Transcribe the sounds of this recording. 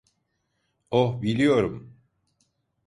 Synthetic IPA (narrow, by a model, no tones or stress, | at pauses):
obilʲijo̞ɾum